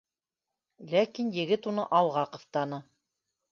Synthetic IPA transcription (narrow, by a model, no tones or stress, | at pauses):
lækinjɘ̆ɡɘt̪unɤʔɑlˠʁɑqŏft̪ɑnɤ